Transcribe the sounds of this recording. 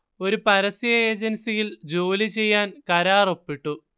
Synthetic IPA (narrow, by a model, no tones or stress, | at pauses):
o̞ɾupɐɾɐsijɐeːd͡ʑɐnsijild͡ʑo̞ːlit͡ɕe̞jːaːnkɐɾaːro̞pːiʈːu